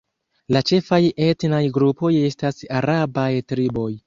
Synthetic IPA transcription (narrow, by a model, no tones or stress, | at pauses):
lat͡ʃe̞faje̞tnajɡɾupo̞je̞stasaɾabajtɾibo̞j